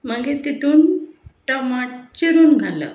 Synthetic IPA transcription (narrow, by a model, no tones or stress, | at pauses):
məɡet̪it̪uːnʈəmaʈ̚t͡ɕiɾuːnɡʱalə̰